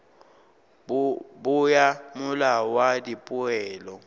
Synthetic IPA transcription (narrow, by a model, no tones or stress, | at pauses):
bʊjamʊlawadipʼʊɛːlɔ